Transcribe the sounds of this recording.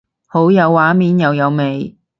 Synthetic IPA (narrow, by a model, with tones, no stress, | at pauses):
ho˨˥wjɐ˨˧wːaː˨˥miː˨njɐ˨˧wjɐ˨˧wme˨j